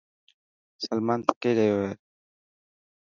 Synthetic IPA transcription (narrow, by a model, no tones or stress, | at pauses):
səlmaːnt̪ə̥keːɾəɦjoːɦeː